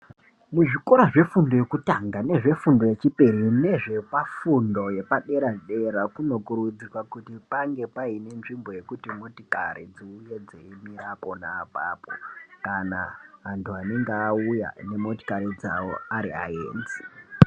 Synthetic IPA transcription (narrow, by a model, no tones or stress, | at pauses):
muʐiko̞ɾaʐe̞fundo̞jo̞kutaŋɡane̞ʐe̞fundo̞je̞t͡ʃiperine̞ʐe̞pafundo̞je̞paɗe̞ɾaʐɗe̞ɾakuno̞kuɾud͡zikwakutipaŋɡe̞paine̞nʐimbo̞je̞kutimo̞tikaɾid͡ziujed͡zeimirapo̞naːpaːpo̰kana̰ɦantʰuane̞ŋɡeːuja̰ne̞mo̞ti̥kaɾid͡za̰wo̞aɾḭa̰ḛːnzi̥